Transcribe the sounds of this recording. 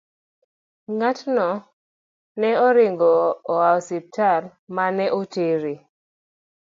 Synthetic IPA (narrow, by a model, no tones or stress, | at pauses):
ŋatnɔ | nɛɔɾɪŋɡɔːaɔsip̚tʰar | manɛʔoteɾi